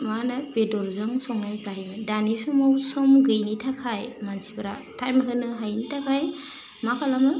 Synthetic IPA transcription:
manapedɔɾzɯŋsɔŋnɯnzaɦimɯdanisumawsɔmɡɯjnitʰakʰajmansibɯɾa̰tʰajmɦɯnɯɦajnitʰakʰaj | makʰalamɯ

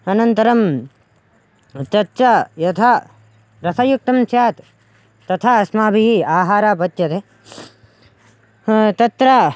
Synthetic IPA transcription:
ɐnɐnt̪ɐɾɐm | t͡ʃɐt͡ʃajɐt̪ʰa | ɾɐsɐjuk̚t̪ɐmsjaːt̪ː | ɐt̪ʰaːɐsmaːbʱiɦiaːɦaːɾaːpɐt̪jɐt̪e | t̪ɐt̪ɾa

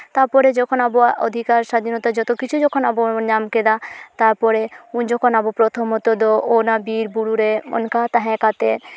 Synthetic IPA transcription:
t̪aɾpɔɾed͡ʒɔkʰonaboʔo̰d̪ʱikaɾʃad̪ʱinɔt̪ad͡ʒɔt̪okit͡ʃʰud͡ʒɔkʰonabonamked̪at̪aɾpɔɾeund͡ʒɔkʰonabopɾɔt̪ʰomɦɔt̪od̪oʔonabiɾbuɽuɾeɔ̰nkat̪aɦɛ̃kat̪e

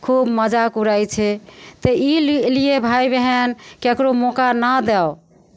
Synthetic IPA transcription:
kʰubməd͡ʒakuɾajt͡ʃʰɛt̪əillijebʱaibeɦɛnkekɾomokanəd̪ɛo

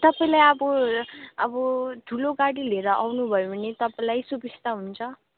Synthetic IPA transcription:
t̪ʌpaĩlajʌbʌ | ʌbʌt̪uloɡaɽileɾʌʔawnubʱʌjoʌnet̪ʌpaĩlajsubist̪aɦunt͡sʰʌ

